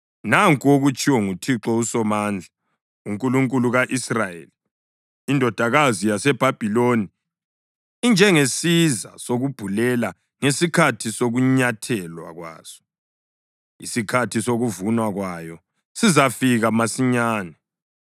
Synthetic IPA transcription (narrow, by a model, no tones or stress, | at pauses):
naŋkʼuoɣut͡ʃʰʼiwɔŋutʰiǁɔusɔmaːnd͡ɮʱa | uŋkʼuluŋkʼuluɣaʔisrajḛliː | ndʱɔd̥ʱaɣazijasɛb̥ʱab̥ʱiloni | ind͡ʒʱɛŋesiza̰soɣub̥ʱulɛla | ŋesikʰatʰisoɣuɲatʰɛlwa̰ɣwa̰ːz̥ɔ̥ | ḭsikʰatʰisoɣuvunwaɣwajɔ | sizafiɣamasiɲaːnɛ